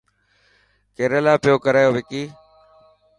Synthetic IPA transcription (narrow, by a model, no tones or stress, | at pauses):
keːɾəlaːpɪjoːkəɾaːjoːʋɪkiː